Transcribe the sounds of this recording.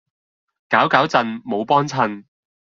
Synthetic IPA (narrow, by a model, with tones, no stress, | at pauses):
kaː˨˥wkaː˨˥wt͡sɐ˨˧nmo˨˧wpɔː˥nt͡sʰɐ˧n